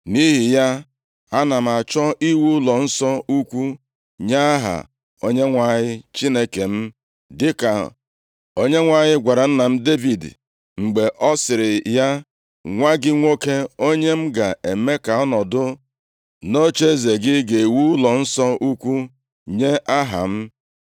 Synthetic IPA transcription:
ni˦ɦi˨ja˦ | a˦na˨m̩˨a˨t͡ʃɔ˦i˦wu˦lɔ˨n̩˦sɔ˦u˦kʷu˦ | ɲa˦a˦ɦa̰˨ | o˦ɲe˦ŋʷa˦˨ɲɪ˦t͡ʃi˦ne˦ke˨m̩˦ | dɪ˦ka̰˨ | o˦ɲe˦ŋʷa˦ɲɪ˦ɡʷa˨ɾa˨n̩˦na˨m̩˦de˦vi˨d̰ | ŋ͡m̩˨ɡ͡be˨ʔɔ˦sɪ˨ɾɪ˨ja˦ | ŋʷa˦ɡɪ˦ŋʷo˦ke˦o˦ɲe˦m̩˦ɡa˨ʔe˨me˦ka˨ɔ˦nɔ˨dʊ˦ | no˦t͡ʃe˦ze˨ɡɪ˦ɡe˨i˨wu˦lɔ˨n̩˦sɔ˦u˦kʷu˦ | ɲe˦ʔa˦ɦa̰˨m̩˦

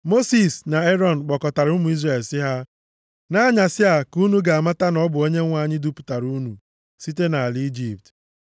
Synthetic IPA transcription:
mo˦si˨sna˨e˦ɾɔ˦n̩˨k͡pɔ˨kɔ˨ta˨ɾu˦mʊ˨i˦zre˨lsɪ˦ɦa˦ | na˦ɲa˨sɪ˦a˨ku˦nu˦ɡa˨a˨ma˦ta˦nɔ˦bʊ˨o˦ɲe˦ŋʷa˦˨ɲɪ˦du˦pu̥˨ta˨ɾu˦nṵ˨ | si˦te˦na˨a˨li˦d͡ʒi˦˨p̚t

